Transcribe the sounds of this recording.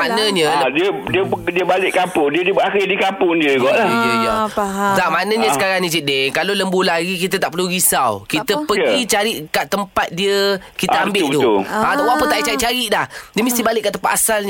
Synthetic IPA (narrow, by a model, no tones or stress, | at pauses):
manəɲəadiədiədiəbalɪʔkapʊdiədibaxidikapʊndiəuɡɔʔlahiəɡɔtamanəɲəssə̥kaɾaŋnid͡ʒideŋkaloləmbulaɡikit̪̬ət̪aʔpəɾluɡisawkit̪əpəɡit͡ʃaɾiʔkaʔt̪ːəmpat̪̚diəkit̪əambɪut̪uat̪awaʔpət̪aʔiʔt͡ʃaɾiʔt͡ʃaɾiʔlahdiəməst̪ibalɪʔkːaʔt̪əmpat̪asalɲ